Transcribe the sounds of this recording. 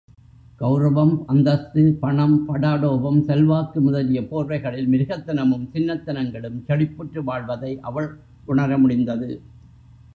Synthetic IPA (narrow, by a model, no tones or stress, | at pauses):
ɡ̥ɐʊɾɐʋɐmɐnd̪ɐst̪ɯpɐɳɐmpɐɽaːɽoːʋɐmsɛlʋaːkːɯmʊðɐlɪjɐpoːɾʋɐɪɣɐɭɪlmɪɾɯɣɐt̪ːɐnɐmɯmt͡ʃɪnːɐt̪ːɐnɐŋɡɐɭɯmt͡ʃɐɽɪpːɯʈrɯʋaːɭʋɐðɐɪʔɐʋɐɭ | kʊɳɐɾɐmʊɽɪnd̪ɐðɯ